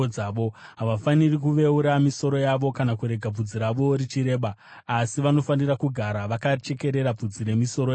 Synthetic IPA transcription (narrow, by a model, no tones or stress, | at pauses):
aːʋoɦaʋafanirikuʋe̞uɾamiso̞ɾo̞jaʋo̞kanakuɾe̞ɡʱab͡vud͡ziɾaʋo̞ɾit͡ʃiɾe̞ːɓaː | siʋano̞fanirakuɡʱaɾaʋakat͡ʃe̞ke̞ɾe̞ɾab͡vud͡ziɾe̞miso̞ɾo